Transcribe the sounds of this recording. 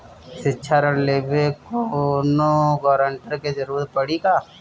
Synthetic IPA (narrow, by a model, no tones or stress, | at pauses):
sɪːt͡ʃʰaɾənleːbekonoɡɔːɾəɳʈəɾked͡ʒɐɾuːɾɾpɐɽikaː